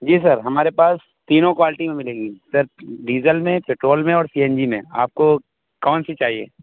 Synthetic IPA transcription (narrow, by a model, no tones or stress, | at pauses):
d͡ʒiːs̬əɾɦɐmaːɾepaːs | t̪iːnõkʋaːlɪʈimẽmɪlẽːɡiːsɐɾɖiːzəlmẽpeːʈɾoːlmẽɔːɾsiːɛ̃nd͡ʒimḛ̃a̰ːp̚ko | kɔːnsit͡ʃaːɦiḛː